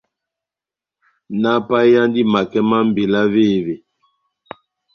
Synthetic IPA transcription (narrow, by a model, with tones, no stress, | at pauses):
na˦pa˦ja˦ndi˦ma˨kɛ˦ma˦m̩˦˨be˨la˦ve˦˨ve˨